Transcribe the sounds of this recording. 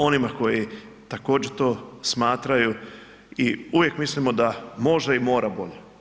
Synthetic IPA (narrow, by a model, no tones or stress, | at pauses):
o̞nimako̞ji | t̪ako̞ːd͡ʑeɾt̪o̞ːsmaːt̪ɾaju | iuʋjekmislimod̪amo̞ʒd̪aimo̞ːɾabo̞ʎe